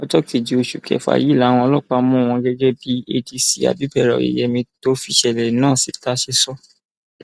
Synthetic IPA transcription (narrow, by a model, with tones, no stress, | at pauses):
ɔ˦d͡ʒɔ˦ki˨d͡ʒi˨o˧ʃu˨kʰɛ̰˨fa̰˨ji˨˦˨la˨˦w̃ɔ̃˧ɔ˧lɔ˦k͡pa˧˦mũ˦˨w̃ɔ̃˧ɡɛ˦d͡ʒɛ˦bi˦e˦˧di˧si˨a̰˨bi˨˦bɛ˦˨ɾɔ̰˨ḭ˨jɛ˨mĩ˧to˦fi˧ʃɛ˨lɛ˨nãː˦˨si˨˦ta˦ʃe˦sɔ˦